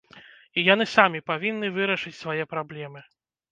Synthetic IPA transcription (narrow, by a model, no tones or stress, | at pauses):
ijanɨsamʲipavʲinːɨvɨɾɐʂɨt͡sʲsvajɛpɾablʲɛmɨ